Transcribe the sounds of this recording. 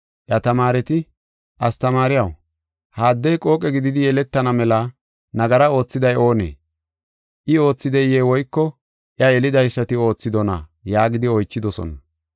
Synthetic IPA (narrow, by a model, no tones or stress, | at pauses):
ʔjɐt̪ɐmaːɾɛt̪ɪ | ʔɐst̪ɐmaːɾɪjɐw | haːd̪ːɛjkʼo̞ːkʼɛɡɪd̪ɪd̪ɪjɛlɛt̪ːɐnɐmɛlɐ | nɐɡɐɾɐo̞ːt͡sːɪd̪ɐjo̞ːnḛː | ʔɪo̞ːt͡sːɪd̪ɛjeːwɔjkːɔ | ʔjɐɛlɪd̪ɐjsːɐt̪ɪo̞ːt͡sːɪd̪ɔna̰jaːɡɪd̪ɪɔjt͡ʃːɪd̪ɔsɔ̰nɐ